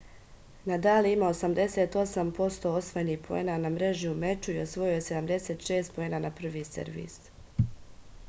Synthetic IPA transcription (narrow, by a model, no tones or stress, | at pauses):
nad̪aːliimaosamd̪e̞se̞ːt̪o̞sampo̞st̪o̞o̞sʋojenihpʰoḛːnanamɾe̞ʒiume̞t͡ʃuio̞sʋo̞juojese̞d̪amd̪e̞seːt̪ʃe̞ːst̪̚poeːnanapr̩ʋiːsḛɾʋḭs